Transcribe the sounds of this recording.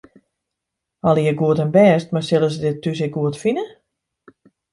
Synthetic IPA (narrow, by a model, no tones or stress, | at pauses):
ɔlˠijəɡuətənbɛːstmarsɪlˠəs̬ədɪtːys̬ɪk̚ɡuətfinə